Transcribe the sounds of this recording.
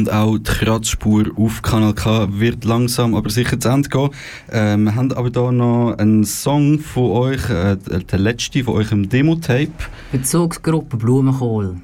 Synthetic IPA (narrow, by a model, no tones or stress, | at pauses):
ʊndaʊtχrɑt͡sʃpuːɾufkʰɑnɛlkʰɑːvɪɾtlɑŋsɑmɑ̰bəɾsɪχət͡sandɡ̥ɔː | ʔɛːmiɦandɑ̰bəɾdɔːnɔənsɔŋfoɔʏχɛd̥əlɛt͡ʃtifoɔʏχɪmdeːmotʰɛɪp | b̥ət͡sʊːksɡ̥ɾʊpəbluːəməχoːl